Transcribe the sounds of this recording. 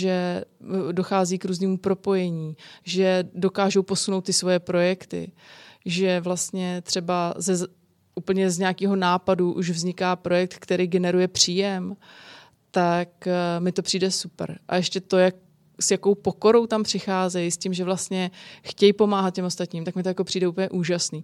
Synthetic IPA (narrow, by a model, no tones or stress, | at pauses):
ʒɛ | do̞xaːziːkɾuːzniːmupɾo̞po̞jɛɲiːʒɛdo̞kaːʒowpo̞suno̞wt̪ːɪsvo̞jɛpɾo̞jɛkt̪ɪ̰ʒɛvlast̪ɲɛt̪r̝̥ɛbazɛ | uːpl̩ɲɛzɲaakiːɦo̞naːpaduʔṵʒvzɲɪkaːpɾo̞jɛk̚t̪kt̪ɛɾiːɡɛnɛɾujɛpr̝̥iːjɛm | t̪akmɪt̪o̞pr̥iːdɛsupɾʔa̰jɛʃcɛt̪o̞jak | sjako̞wpo̞ko̞ɾo̞wt̪ampr̝̥ɪxaːzɛjscimʒɛvlast̪ɲɛxcɛjpo̞maːɦat̪̚cɛmo̞st̪at̪ɲiːmt̪akmɪt̪ojako̞pr̥iːdɛʔuːp̬l̩ɲɛʔuːʒasniː